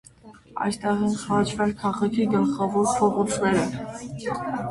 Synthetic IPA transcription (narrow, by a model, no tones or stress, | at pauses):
ɑ̰jst̪ɛʁinχɑt͡ʃʰvɛlkʰɑʁɑkʰiɡəlχɑvɔɾpʰɔʁɔt͡sʰnɛɾə